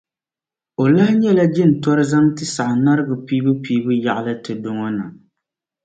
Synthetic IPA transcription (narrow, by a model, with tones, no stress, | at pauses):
o˨la˦ɲɛ˦la˦d͡ʒɪ˦n̩˨tɔ˦ɾɨ˦za˦mtɨ˦sa˨ʔna˦ɾɨ˦ɡɨ˨piː˦bɨ˦piː˦bɨ˦ja˨ʔlɨ˦tɨ˨do˦ŋɔ˦na̰˨